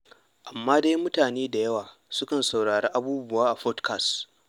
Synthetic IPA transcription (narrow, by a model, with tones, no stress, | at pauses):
ʔa˨mːaː˦da˦mʊ˦taː˨neː˦da˨jɐ˦waː˨ | sʊ˦kɐ˨nsa˨wɽaː˨ɽeː˦ʔa˦buː˦bʊ˦waː˦ʔa˨ɸɔ˦tkʰa˨s